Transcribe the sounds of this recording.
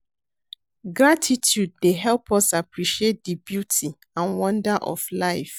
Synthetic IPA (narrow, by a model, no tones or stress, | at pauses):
ɡɾatʰitʰjud̚deɦɛlˠpʰɔsapɹiʃiet̚d̥ibjutʰi | ãnwɔ̃ndaʔɔ̰flaɪf